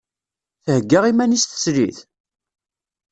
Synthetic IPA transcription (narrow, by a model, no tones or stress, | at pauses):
θəhəɡːəʁimænist̪ə̥sliθ